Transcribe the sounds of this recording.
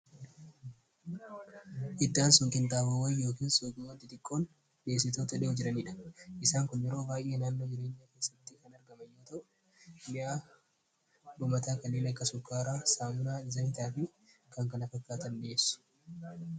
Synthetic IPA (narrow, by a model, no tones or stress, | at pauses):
ʔɪd̪ːaːnsʊŋkɪnt̪aːbɐwɐnjo̞ːkiːnsukʼɪmot̪ːɪt̪ɪkʼːo̞ːn | be̞ːs̬ːɪt̪o̞ːt̪ɐᶑɪʊd͡ʒɪɾɐniːᶑɐ̥ʔɪsaːŋkʊnːɪɾo̞ːbaːjʔe̞ːnaːnːoːd͡ʒɪɾe̞ːɲːɐke̞ːsːɐt̪ːɪkɐnɐɾɡɐmɐjːuːt̪ɐʔʊ | mɪʔaː | ᶑʊmɐt̪aːkɐnːeːnɐkːɐsʊkːaːɾaːsaːmʊnaːɪzɐhɪt̪aːfɪ | kɐŋkɐnɐfɐkːaːt̪ɐnːesʊ̥